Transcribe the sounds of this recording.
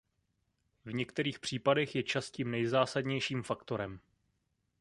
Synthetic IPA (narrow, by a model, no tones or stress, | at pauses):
vɲɛkt̪ɛɾiːxpr̝̥iːpadɛxjɛt͡ʃasciːmnɛjzaːsadɲɛjʃiːmfakt̪o̞ɾɛm